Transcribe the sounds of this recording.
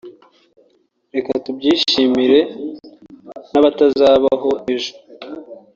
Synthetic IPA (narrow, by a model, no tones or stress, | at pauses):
ɾe̞katubɟiːʃimiɾe̞ | naβatazaːβaɦo̞ʔe̞ʒo̥